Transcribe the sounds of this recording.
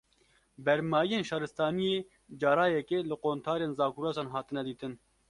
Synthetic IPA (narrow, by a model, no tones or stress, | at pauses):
bɛɾmaːijeːnʃɑːɾɨst̪ɑːnijeː | d͡ʒɑːɾaːjɛkeːlɨqoːnt̪ʰaːɾeːnzɑːkuɾozɑːnɦɑːt̪ɨnɛd̪iːt̪ɨn